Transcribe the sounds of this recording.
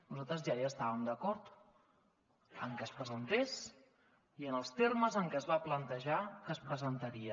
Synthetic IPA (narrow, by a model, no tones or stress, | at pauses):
nuzat̪ɾəzʒaʒaːst̪aβəmd̪əkɔɾt̪ | əŋkɛəspɾəzənt̪es | iənəlˠst̪erməzəŋkɛəzβaplənt̪əʒakəspɾəzənt̪əɾiə